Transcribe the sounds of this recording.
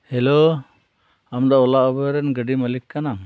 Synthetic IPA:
hɛlo | amd̪ɔɔlaʔɔbəɾɛnɡəɖiməlikːana

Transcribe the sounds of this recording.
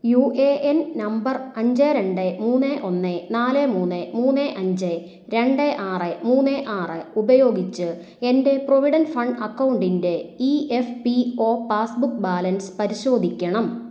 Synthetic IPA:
jueːʔennɐmbɐrɐɲd͡ʑeɾe̞ɳɖemuːnːeʔo̞nːenaːlemuːnːemuːnːeʔɐɲd͡ʑe | ɾe̞ɳɖeʔaːrɨmuːnːeʔaːrɨubɐjo̞ːɡit͡ɕːɨ | e̞nde̞proʋiɽɐnfɐɳɖɐkːɐwuɳɖinde̞iefpio̞ːpaːsbukːbaːlɐnspɐɾiɕo̞ːd̪ʱikʲːɐɳɐm

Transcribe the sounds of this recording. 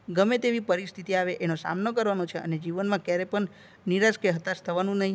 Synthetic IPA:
ɡəmet̪eʋipəɾist̪ʰit̪iaʋeʔenosa̰mnokəɾʋanot͡ʃʰeəned͡ʒiʋənmãkjaɾepəɳ | niɾaskeɦət̪ast̪ʰəʋanũnəɦĩ

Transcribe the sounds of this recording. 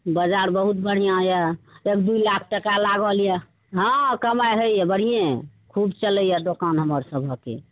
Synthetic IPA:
bəd͡ʒaɾbəɦut̪bəɽ̤ijãɦjəekd̪ujlakʰʈəkalaɡɔljɛ | ɦɔ̃kəmajɦəjɛbəɽ̤ijẽkʰubt͡ʃələjad̪okanɦəməɾsəbʱəkːḛ

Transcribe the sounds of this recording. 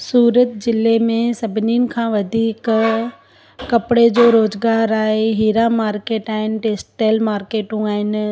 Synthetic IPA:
suːɾət̪d͡ʑɪlemẽsɐbʱɪninɪ̆kʰãːʋɐd̪ʱiːk | kɐpɪɽed͡ʑoːɾoːzɡaːɾaːɦeɦiːɾamaːɾkeːʈaːɦɪnɪ̆ʈeːsʈːeːlmaːɾkeːʈũaːɦɪn

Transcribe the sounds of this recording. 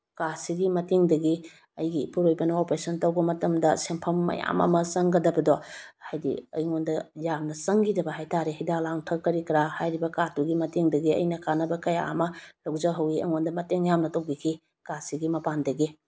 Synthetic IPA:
kasiɡimɐtiŋdɐɡi | ɐjɡipuɾojbɐnɐopɾesɐntɐwbɐmɐtɐmdɐsempʰɐmːɐ̰ja̰mɐ̰mɐsɐŋɡɐdɐbɐdɔhajdḭɐ̰jŋondɐjamnɐsɐŋɡidɐbɐɦajtaɾehidalaŋtʰɐkːɐɾikɾahajɾibɐkatuɡimɐtiŋdɐɡiɐ̰jnɐkanɐbɐkɐja̰ɐ̰mɐlɐwzɐɦɐwiɐ̰ŋondɐmɐteŋjamnɐtɐwɡikʰi | kasiɡimɐpandɐɡi

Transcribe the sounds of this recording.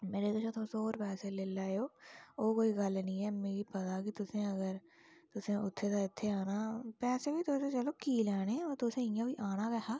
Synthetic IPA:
meːɾed̪ʊt͡ʃʰot̪ʰosoːɾpɛːselelaːjoːoːkoːiɡəlnĩɦɛːmeːɾipɐt̪akit̪ʊsẽɐɡəɾ | t̪ʊsẽʊt̪ʰːet̪aɪt̪ʰːeaːnaːpɛːsebʱit̪oːsẽt͡ʃəlokiːlaːneɔːɾt̪osẽɪ̃abʱiʔaːnaɡɛɦaː

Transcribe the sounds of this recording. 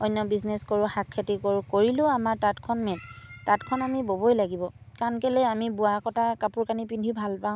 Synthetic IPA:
ɔjnːɔbizneskoɹʊhakʰːatikoɹʊkoɹilʊ̃amaɹtatkʰɔnmɛntatkʰɔnamibobojlaɡibɔ | kankɛlɛamibʊakɔtakapuɹkanipindʱibʱalpaʊ̃

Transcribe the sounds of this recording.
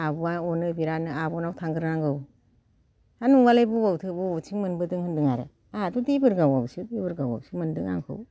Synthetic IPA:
abɔaɔnɯbiɾanɯabɔnawtʰaŋɡɯɾnaŋɡɯw | anuŋwalejbuwawtʰɯbɯɔt͡ʃʰiŋmɯnbɯdɯŋhɯndɯŋaɾɯ̰ | adudebɯɾɡawabsidebɯɾɡawa̰bsimɯndɯŋa̰ŋkʰɯ̰w

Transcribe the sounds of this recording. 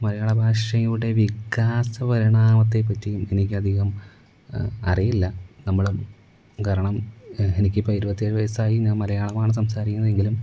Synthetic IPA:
mɐlɐjaːɭɐbʱaːʂɐjuɽe̞ʋikːaːsɐpɐɾiɳaːmɐt̪̬ːe̞p̬ːɐtːijume̞nikʲːɨɐd̪ʱiɣɐm | ɐrijilːɐnɐmːɐɭ | kaɾɐɳɐme̞nikʲːɨpɐjiɾubɐt̪ːieɻʋɐjɐsaːjiɲaːnmɐlɐjaːɭɐmaːɳɨs̬ɐmsaːɾikʲːunːɐðe̞ŋɡilum

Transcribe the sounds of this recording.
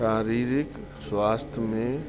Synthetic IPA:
aːɾiːɾɪk | swaːst̪ʰjmẽ

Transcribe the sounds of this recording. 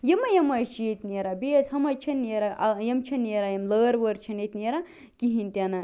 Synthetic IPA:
jimɐjɐmɐjt͡ʃʰjet̪ʲneɾabeshɐmɐjt͡ʃʰɐnːeɾaʔjɐmt͡ʃʰɐneɾajɐmləːɾʋəɾt͡ʃʰɐnet̪ʲneɾa | kiɦinʲt̪ʲana

